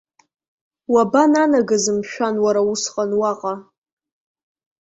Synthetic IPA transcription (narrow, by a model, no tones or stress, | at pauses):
wabananaɡazɨmʃᶣanwaɾausqʼanwaqʼa